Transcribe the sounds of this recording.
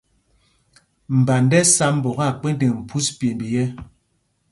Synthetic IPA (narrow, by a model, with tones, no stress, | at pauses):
m̩˨ba˨ndɛ˦sa˦m˦bɔ˨ɣa˦˨k͡pe˦n˦de˨ŋm̩˨pʰu˦spje˨mbi˨jɛ˦